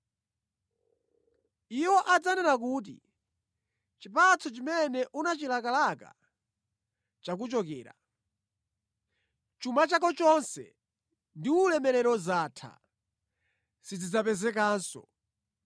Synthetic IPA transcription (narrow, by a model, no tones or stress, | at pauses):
iwɔʔad͡zanɛnak̬uːt̬ḭ | t͡ʃipat͡sʰɔt͡ʃimɛnɛʔunat͡ʃilakalaka̰ | t͡ʃak̬ut͡ʃɔkɛːɾa̰ | t͡ʃumat͡ʃakɔt͡ʃɔnsɛ̰ | ndiulɛmɛɾɛɾɔzaːtʰa̰ | sid͡zid͡zapɛzɛk̬aːnsɔ̰